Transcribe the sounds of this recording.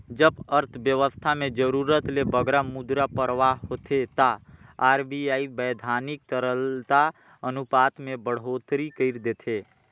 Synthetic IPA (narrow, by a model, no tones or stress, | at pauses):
d͡ʒəbəɾt̪ʰbjəʋəst̪ʰamẽd͡ʒəɾuɾət̪lebəɡɾamud̪ɾapəɾʋaɦoːt̪ʰet̪aaːɾbiaːibəːd̪ʱaːnɪk̚t̪əɾəlt̪a | ənupaːt̪mẽbəɽ̤oːt̪ɾikəɪɾd̪eːt̪ʰe